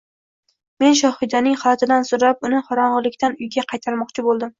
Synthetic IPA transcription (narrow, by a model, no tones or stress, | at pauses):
me̞nʃ̬ɒhɪd̪anɪŋχɑlt̪ʰɪd̪ansoɾap̚ʊnɪχɒɾɒɴʁɨlɪkʲt̪ʰanʊjɡʲaqʰɑjt̪ʰaɾmɒqt͡ʃʰɪbolˠd̪ɪm